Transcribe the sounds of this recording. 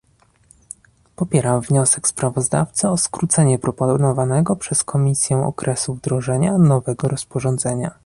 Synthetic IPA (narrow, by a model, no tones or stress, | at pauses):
pɔpʲjɛɾamvɲɔsɛkspɾavɔzd̪a̰ft̪sɘɔskɾut̪sɛɲɛpɾɔpɔnɔvanɛɡɔpʂɛskʰɔmʲisʲjɛw̃ʔɔ̰kɾʔɛsuvd̪ɾɔʐɛɲanɔvɛɡɔɾɔspɔʐɔnd̪zɛɲa